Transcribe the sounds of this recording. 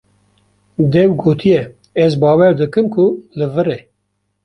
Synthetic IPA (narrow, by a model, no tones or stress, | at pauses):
d̪ɛwɡoːt̪ʰijɛ | ɛzbɑːwɛɾd̪ɨkɨmkʰʊlɨvɨɾe